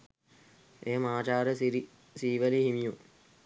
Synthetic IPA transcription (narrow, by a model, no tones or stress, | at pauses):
eːmaːt͡ʃaːɾəsiɾi | siːʋəlihimiju